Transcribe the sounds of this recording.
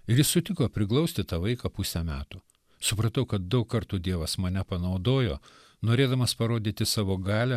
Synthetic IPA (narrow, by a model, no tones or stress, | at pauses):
ɪɾjɪssʊt̪ʲɪkoːpʲɾʲɪklˠɐʊsʲt̪ʲɪt̪ɐʋɐɪkɐpʊsʲɛmʲæːt̪u | sʊpɾɐt̪ɐʊkɐt̪̚d̪ɐʊkkɐɾt̪uːd̪ʲiɛʋɐsmɐnʲɛpɐnɐʊd̪oːjo̰ː | noːɾʲeːd̪ɐmɐspɐɾoːd̪ʲiːt̪ʲɪsɑːʋoːɡɑːlʲɛ